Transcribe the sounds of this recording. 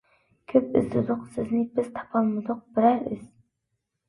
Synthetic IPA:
kʲʰɵpɪzd̪ɨd̪ʊqsɪznɪbɪz̥t̪ʰɑ̥pʰɑlˠmɪd̪ʊq̚bɪɾæɾiz̥

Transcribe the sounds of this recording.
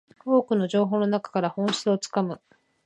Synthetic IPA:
o̞ːkɯ̟no̞ʑo̞ːɦoːno̞nakḁkaɾahõ̞ɕi̥t͡sɨo̞t͡sɨ̥kamɯ̟

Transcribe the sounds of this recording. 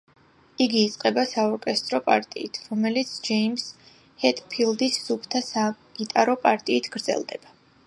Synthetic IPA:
iɡiːt̪sʼqʼɛbasaɔɾkʼɛst̪ʼɾɔpʼa̰ɾt̪ʼḭit̪ʰɾɔmɛlit̪sʰd͡ʒɛims | hɛt̪ʰʼpʰilˠd̪isːupʰt̪ʰasa | it̪ʼaɾɔpʼaɾt̪ʼiːt̪ʰɡ̥ɾd̪zɛ̰lˠd̪ɛb̥a

